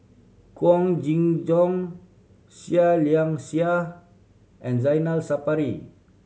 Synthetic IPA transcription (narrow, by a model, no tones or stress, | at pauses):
kuɔŋd͡ʒiŋd͡ʒɔŋ | sialiaŋsia | ʔɛ̃nzajnalsapaɾi